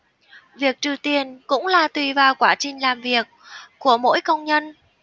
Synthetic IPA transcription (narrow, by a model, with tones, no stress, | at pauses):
vi˨˩ək̚t͡ɕɨ˨˩wt̪i˨˩ənkʊ̰˧˥ŋ͡mlaː˨˩t̪wi˨˩vaː˨˩wkwaː˧˩t͡ɕï˨˩ŋ̟laː˨˩mvi˨˩ək̚ː | u˧˩əmo̰˧˥jkə˧wŋ͡mɲə˧n